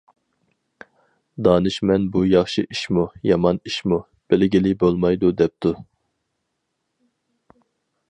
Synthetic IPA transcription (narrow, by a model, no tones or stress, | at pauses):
d̪ɑːnɨʃmɛnbujɑχʃiʔiʃmujɑmɑniʃmu | b̥ɪlɡʲilɪbolˠmɑjd̪ud̪ɛp̚t̪ʰu